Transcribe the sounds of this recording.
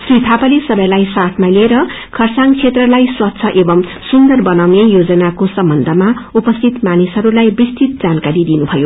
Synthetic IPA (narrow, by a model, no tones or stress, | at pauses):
srit̪ʰapʌlesʌbʌjlajsaʈʰmaleɾʌ | kʰʌrsaŋt͡sʰet̪rʌlajswʌt̪ːsʰʌʔebʌmsund̪ʌrbʌnawnejod͡zʌnakosʌmbʌnd̪ʱʌmaupʌst̪ʰit̪manisɦʌɾulajbrist̪ʰit̪̚d͡zankaɾid̪inubʱʌjo